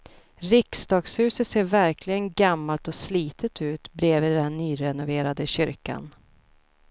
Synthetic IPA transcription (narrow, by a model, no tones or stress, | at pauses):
ɾɪksd̪ɑːɡshʉ̟ːsət̪seːɾvæɾkʰlɪɡənɡamːalt̪ɔsliːt̪ʰət̪ʉ̟ːt̪bɾeːvid̪ænːyːɾɛnʊveːɾad̪əɕʏɾka̰n